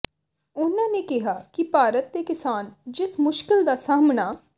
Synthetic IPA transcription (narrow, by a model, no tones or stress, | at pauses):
ʊnãːneːkɪɦaːkipaːɾət̪̚d̪eːkɪsaːnd͡ʒɪsmʊʃkɪld̪aːsaːmnaː